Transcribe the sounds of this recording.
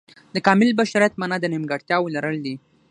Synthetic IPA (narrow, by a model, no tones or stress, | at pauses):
d̪əkɑmɪlbaʃaɾijat̪manad̪ənɪmɡɑɽt̪jɑwəlaɾəld̪i